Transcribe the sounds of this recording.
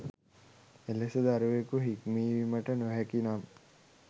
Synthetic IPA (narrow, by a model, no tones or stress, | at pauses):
elesəd̪aɾuʋekuɦikmiːʋiməʈənoɦækinam